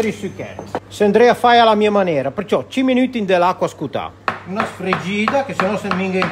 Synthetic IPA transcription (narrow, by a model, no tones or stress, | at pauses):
ɾisykɛ̰t̪seand̪ɾɛafajalamiamanɛːɾapeɾt͡ʃɔt͡ʃimːinyt̪ind̪elakwaskut̪a̰unasfɾed͡ʒiːd̪akesenɔsenmiŋɡa